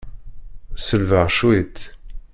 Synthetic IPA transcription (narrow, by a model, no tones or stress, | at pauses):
səlvəʁʃwit̪